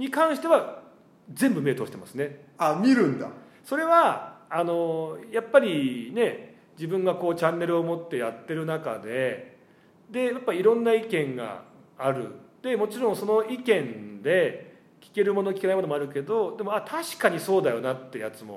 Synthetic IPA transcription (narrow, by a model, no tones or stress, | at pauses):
ɲ̟ikãɰ̃ɕi̥t̪e̞βa | zẽ̞mbɯ̟me̞ːt̪oːɕi̥t̪ema̰sɨne̞amʲiɾɯ̟̃nd̪a̰ | so̞ɾe̞βaːno̞japːaɾʲine̞ | d͡ʑibɯ̟̃ŋɡako̞ːt͡ɕãnːe̞ɾɯ̟omo̞t̪ːe̞jat̪ːe̞ɾɯ̟naka̰d̪e̞ | d̪e̞japːaiɾõ̞nːaikẽ̞ŋɡa̰aɾɯ̟̰d̪̥e̞mo̞t͡ɕiɾõɰ̃so̞no̞ikẽ̞nd̪e̞ | kʲi̥ke̞ɾɯ̟monokʲi̥kenaimonomo̞aɾɯ̟ke̞d̪o̞d̪e̞mo̞at̪ʰaɕi̥kaɲ̟iso̞ːd̪ajo̞nat̪ːe̞jat͡sɨmo̞̰